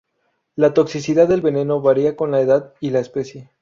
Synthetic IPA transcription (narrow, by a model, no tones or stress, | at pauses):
lat̪o̞ksisiðaððe̞lβe̞ne̞no̞βaɾiako̞nlae̞ðaðilaespe̞sje̞